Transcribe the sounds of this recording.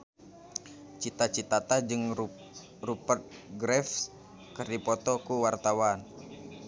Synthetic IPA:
t͡ʃit̪at͡ʃit̪at̪ad͡ʒɨŋ | rupərt̪̚ɡɾɛf | kərdipɔt̪ɔkuwart̪awan

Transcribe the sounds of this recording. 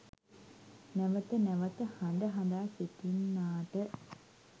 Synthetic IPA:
nɛʋət̪ənɛʋət̪əhand̪əɦɐnd̪aːset̪inːaːʈə

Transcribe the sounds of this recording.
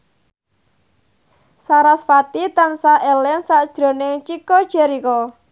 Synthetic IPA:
saɾasfat̪it̪ansaʔɛlɛnsaʔd̥ʒ̥ɾo̤nɪŋt͡ʃikɔd̥ʒ̥eɾikɔ

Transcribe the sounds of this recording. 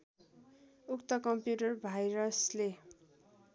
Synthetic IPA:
ukt̪ʌkʌmpjuʈʌrbʱajɾʌsle

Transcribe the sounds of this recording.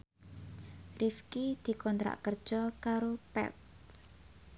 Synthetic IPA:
rifkid̪̥i̤kɔnt̪ɾa̰ʔkərd̥ʒ̥ɔkaɾopɛ̰t̪̚

